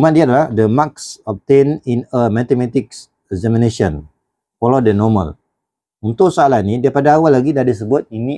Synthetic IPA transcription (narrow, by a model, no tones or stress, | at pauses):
mãdiadalahdəmaksɔp̚t̪eninəmat̪ɛmat̪ik̚s | ɛzɛminesiɔn | fɔlodənɔmə̰l | unt̪ʊʔsəalahnidaapadaːwalːaɡidadis̬əbʊt̪̚ini